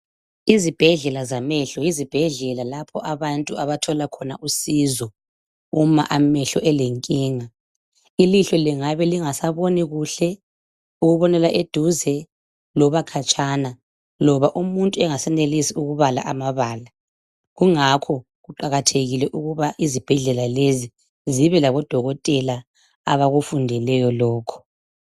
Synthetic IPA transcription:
izib̥ʱɛɮɛlazamɛɬɔjizib̥ʱɛɮɛlalapʰɔʔaβantʼuaβatʰɔlakʰɔnaʔusizɔ | uma̰ʔamɛɬɔʔɛleŋkʼiːŋa | iliɬɔliŋaβɛliŋasaβoniɣuɬɛ | uɣuβɔnɛlaʔed̥ʱuzɛ | lɔβakʰat͡ʃʼana | lɔβaʔumuntʼuɛŋasɛnelisiuɣuβala̰ʔamaβaːla | ɣuŋakʰɔ | ɣuǃaɣatʰeɣilɛʔuɣuβaʔizib̥ʱɛɮɛlalezi | ziβɛlaβɔd̥ʱɔɣɔtʼɛla | aβaɣufundʱɛlɛjɔlɔːkʰɔ̥

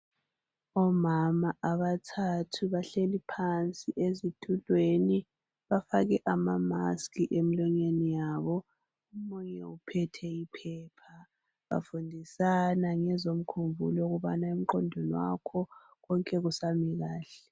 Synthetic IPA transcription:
ɔmamaʔaβatʰatʰuβaɬelipʰant͡sʼiʔezitʰʼulʱweni | βafaɣɛʔamama̰skʰʼiʔemilɔɲenijaːβɔ | umuɲɛupʰɛtʰɛipʰɛːpʰa | βa̰fundʱisanaŋɛzom̩kʰumvʱṵlɔuɣuβanaum̩ǃɔndʱɔnwa̰kʰɔ | ɣɔŋkʼɛɣusamiɣaːɬɛ

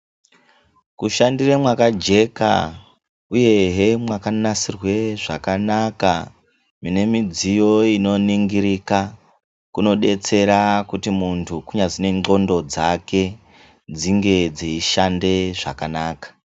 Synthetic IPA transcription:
kuʃandiremwakad͡ʒe̞ka̰ | uje̞ɦemwakanasirwe̞ʐa̰kanaka | mine̞mid͡zijo̞ino̞niŋɡiɾika | kuno̞ɗe̞t͡se̞ɾakutimuntʰukuɲad͡zine̞ŋ͡ǃo̞ndo̞d͡zake̞ | d͡ziŋɡe̞d͡ziiʃande̞ʐa̰kanaːkḁ

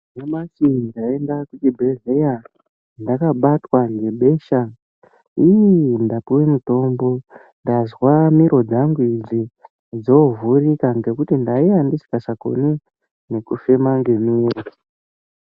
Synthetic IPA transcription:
nemat͡ʃidaendakut͡ʃibʱe̞ɮeja | ndakaɓatwaŋɡe̞ɓe̞ːʃa | ijndapuwemuto̞mbo̞ | ndazwamiɾo̞d͡zaŋɡuid͡zi | d͡zo̞vurikaŋɡe̞kutindaijandisi̥kaʂako̰ni | ne̞kufemaŋɡe̞miːro

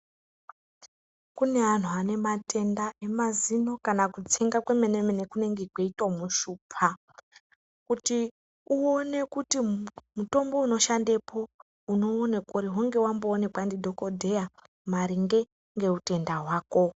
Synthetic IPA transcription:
kune̞an̤uane̞matʰe̞ndae̞mazino̞kanakut͡seŋɡakwe̞mene̞mene̞kune̞ŋɡekweitwomuʃuːpʰa | kuti | uone̞kutimuto̞mbo̞uno̞ʃande̞pʰo̞ | uno̞ːnekoɾiɦuŋɡe̞wamboːne̞kwandidʱo̞ko̞dʱe̞ja | maɾiŋɡe̞ | ŋɡe̞ute̞ndaɦwaːko̞

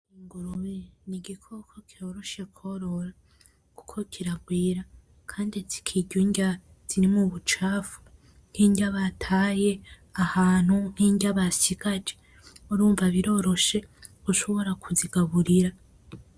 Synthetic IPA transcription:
iŋɡoɾoβiniɡikʰokʰokʰio̞ɾo̞ʃe̞kʰo̞ɾo̞ɾa | ku̥kʰo̞kʰiɾaɡwiːɾa | kʰaːndizi̥kʰiɟuɲɟa | z̥iɾimuβut͡ʃaːfu̥ | n̥hiːɲɟaβatʰaːje̞ | ahaːn̥hun̥iːɲɟaβasiɡ̥ad͡ʒe | uɾuːɱvaβiɾo̞ɾo̞ʃe̞ | uʃo̞βo̞ɾakuziɡaβuɾiɾa

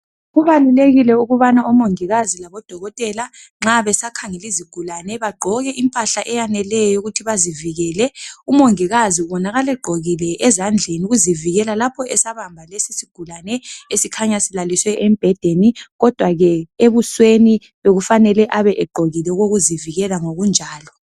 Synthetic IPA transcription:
ɣuβaluleɣilɛuɣuβanaumoŋiɣazilaβɔd̥ʱɔɣɔtʼɛla | ŋ͡ǁaβɛsakʰaŋɛliziɡ̥ʱulanɛβaɡ͡ǃʱɔɣɛʔimpʼaɬaʔɛjanɛlɛjɔjouɣutʰiβaziviɣɛːlɛumoŋiɣaziβɔnaɣalɛɡ͡ǃʱoɣilɛʔɛzand͡ɮʱeniuɣuziviɣɛlalapʰɔɛsaβambʱalesisiɡ̥ʱulanɛesikʰaɲasilaliswɛʔemb̥ʱɛd̥ʱeniɣɔd̥ʱwaɣɛeβusweni | βeɣufanɛlɛʔaβɛʔɛɡ͡ǃʱoɣilɛɣoɣuziviɣɛlaŋoɣund͡ʒʱaːlɔ

